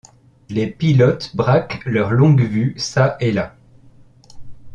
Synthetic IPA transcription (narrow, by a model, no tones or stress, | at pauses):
lepilɔt̪bʁaklœʁlɔ̃ɡvysaʔela